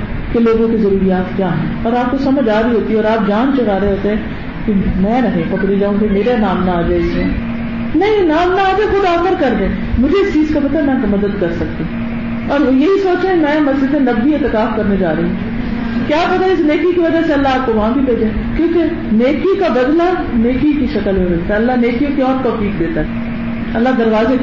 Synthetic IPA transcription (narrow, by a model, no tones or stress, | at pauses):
keloːɡõkizɐɾuːɾijaːt̪kjaːɦɛ̃ːɔːɾaːp̚kosɐməd͡ʒaːɾiɦoːt̪iɦɛɔːɾaːp̚d͡ʒaːnt͡ʃʊɾaːɾəeɦoːt̪eɦɛ̃ː | kemɛ̃ːnɐɦĩpɐbɾilaɦũkemeːɾanaːmnaaːd͡ʒaːeɪsɛ̃ː | nɐɦĩnaːmnaaːd͡ʒaːexʊd̪aːxəɾkɐɾd̪ẽː | mʊd͡ʒʱeɪst͡ʃiːzkap̬ɐt̪aemɛ̃kmɐd̪əd̪kɐɾsɐk̚t̪i | ɔːɾojeɦisoːt͡ʃẽmɛ̃ːmɐsd͡ʒɪd̪ẽnɐbːiet̪ɪkaːfkɐɾned͡ʒaːɾɐɦi | kjaːpɐt̪aeɪsneːkikiʋɐd͡ʒaseɐlːaaːp̚koʋɐɦãbʱibeːd͡ʒaːekjõːke | neːkikabɐd̪la | neːkikiʃɐkəlɦoːsɐkt̪aɐlːaneːkiõkiɔːɾt̪ɔːfiːk̚d̪eːt̪aɦɛ | ɐlːad̪ɐɾʋaːze